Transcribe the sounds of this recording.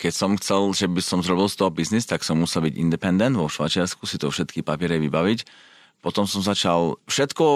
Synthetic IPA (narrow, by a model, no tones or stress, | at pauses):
kɛcsɔmxt͡sɛlʒɛbisɔmzɾɔbilˠst̪ɔɦɔbiznist̪aksɔmːusɛlbiɟḭnd̪ɛpɛnd̪ɛnd̪ʋɔʃʋajt͡ʃɪaɾskusit̪ɔfʃɛt̪kipapɪɛɾɛʋibaʋic | pɔt̪ɔmsɔmzat͡ʃalfʃɛt̪kɔ